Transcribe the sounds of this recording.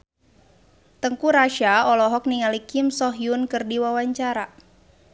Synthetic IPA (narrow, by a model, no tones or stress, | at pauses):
t̪əŋkuɾaʃaɔlɔɦɔk̚niŋalikɪmsɔɦjunkɨrdiwawaɲt͡ʃaɾa